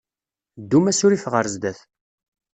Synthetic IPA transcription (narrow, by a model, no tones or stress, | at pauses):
d̪ːumæsʊɾifʁəɾzd̪æθ